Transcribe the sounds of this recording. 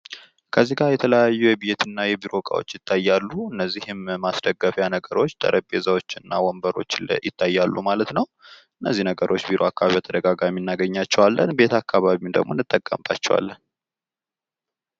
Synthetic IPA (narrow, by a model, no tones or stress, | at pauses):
kʰəzːiɡajɛt̪ʰələjajːujɛbjɛt̪ʰɨnːajɛbiɾo̞kʼa̰wo̞̰t͡ʃːjɪt̪ːajːalːuɨnːəzːihɪmmasd̪əɡːəfjanəɡəɾo̞t͡ʃːd̪ʼə̰ɾʔəbʼezawo̞t͡ʃːɨnːawɔmbəɾo̞̰t͡ʃːljɪt̪ʰːajːalːṵmalət̪nəw | ɨnːəzːinəɡəɾʔo̞t͡ʃːbiɾo̞akːaβaβijat̪ʰəd̪əɡaɡaminːaɡəɲːat͡ʃːɛwalːənbe̞t̪akʰːaβaβiumd̪ə̰ɡmo̞nːɨt̪ʼːəkʼːə̰mba̰t͡ʃːɛwa̰lːən